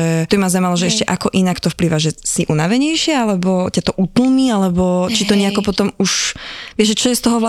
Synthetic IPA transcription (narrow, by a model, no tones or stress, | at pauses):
ɛt̪ɔbimazamalɔʒɛɛʃcɛʔakɔʔinakt̪ɔfpliːʋaʒɛsiʔunaʋɛɲɛjʃɪɛalɛbɔcat̪ɔʔut̪l̩mialɛbɔt͡ʃit̪ɔɲɛakɔpɔt̪ɔmuʃʋɪɛʒʒɛt͡ʃɔjɛst̪ɔɦɔʋl